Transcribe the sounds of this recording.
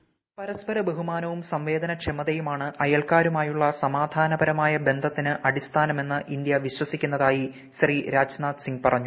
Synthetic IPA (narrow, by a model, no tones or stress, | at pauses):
pɐɾɐspɐɾɐbe̞ɦumaːnɐʋumsɐmʋe̞ːd̪ɐnɐkt͡ɕʰemɐðɐjumaːɳɨʔɐjɐɭkaːɾumaːjuɭːɐsɐmaːd̪ʱaːnɐbɐɾɐmaːjɐbe̞nd̪ʱɐt̪ːinɨʔɐɽist̪ʰaːnɐme̞nːɨʔind̪jɐʋiɕwɐsikʲːunːɐðaːji | ɕriɾaːd͡ʑnaːt̪siŋɡpɐrɐɲːu